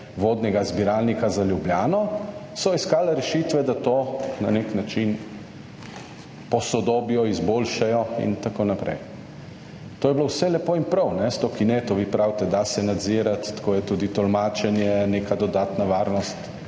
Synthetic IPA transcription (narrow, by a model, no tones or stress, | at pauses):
ʋoːd̪nɛɡazbiɾaːlnikazaljubljaːnɔsɔiskaːlɛɾɛʃiːt̪ʋɛd̪at̪oːnaneknat͡ʃin | pɔsɔd̪oːbijɔizbolʃajɔḭnt̪akonapɾɛ̰j | t̪oːjɛblowsɛlɛpoːinpɾɐwnɛst̪oːkinɛt̪oʋiːpɾawt̪ɛd̪asɛnad̪ziːɾat̪ːkoːjɛt̪uːd̪it̪ɔlmaːt͡ʃɛnjɛnekad̪ɔd̪aːt̪naʋaːɾnɔst̪